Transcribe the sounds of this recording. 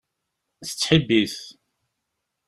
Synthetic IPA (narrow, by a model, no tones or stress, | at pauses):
θə̥t͡sːħəbːiθ